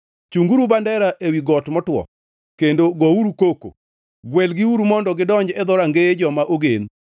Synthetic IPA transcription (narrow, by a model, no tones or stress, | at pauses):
t͡ʃuŋɡuɾubandɛɾaʔewiɡɔtmɔtwɔ̰ | kendoɡɔuɾukoko̰ | ɡwɛlɡɪuɾumɔndɔɡɪdɔɲd͡ʒɛd̪ɔɾaŋɡeed͡ʒɔmaʔoɡḛn